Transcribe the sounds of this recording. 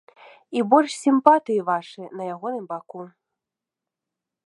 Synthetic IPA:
ibɔlʲʂsʲimpat̪ɨjivaʂɨnɐjaɣɔnɨmbaku

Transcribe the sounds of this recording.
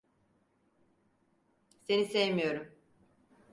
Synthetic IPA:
se̞nisejmijo̞ɾum

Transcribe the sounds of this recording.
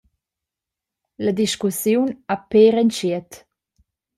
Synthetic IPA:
ləd̪iʃkusjunapeɾɛnt͡ʃiət̪

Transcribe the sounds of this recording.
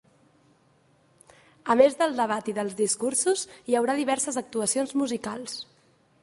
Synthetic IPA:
əmezðəlˠd̪əβ̞at̪iðəlˠzðiskuɾsuzjəwɾaðiβɛɾsəzək̚t̪uəsionzmuzikalˠs

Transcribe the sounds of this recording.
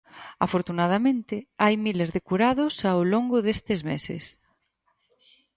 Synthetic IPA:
a̰foɾt̪unað̞amẽnt̪ɪajmilezðekuɾaðosawloŋɡʊðest̪ezmḛsḛs

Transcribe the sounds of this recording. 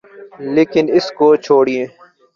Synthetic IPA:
leːkɪnɪskoːt͡ʃʰoːɽiẽː

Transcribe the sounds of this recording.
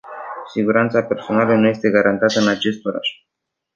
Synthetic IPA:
siɡuɾant̪sape̞rso̞nalənuje̞st̪e̞ɡaɾʔant̪at̪əɨnat͡ʃe̞st̪o̞ɾa̰ʒ

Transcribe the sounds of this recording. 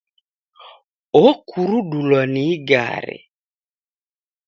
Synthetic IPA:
okuɾuɗulɔniɡa̰ɾɪ̰

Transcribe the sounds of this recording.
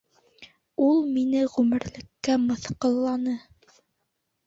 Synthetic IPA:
ulˠminɘʁʉmɘ̆ɾlɘ̆kːæmɤ̆θqɤ̆lˠːɑnɤ

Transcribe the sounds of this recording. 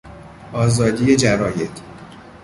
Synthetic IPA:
ʔɒːzɒːd̪iːjed͡ʒæɾɒːje̞t̪ʰ

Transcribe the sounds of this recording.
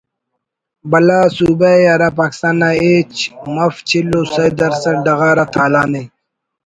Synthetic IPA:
bɐlaːsuːbaeɐɾaːpaːki̥st̪aːnːaeːt͡ɕmɐft͡ɕʰilːosɐjd̪ɐɾsɐɾɖɐɣaːɾat̪ʰaːlaːne

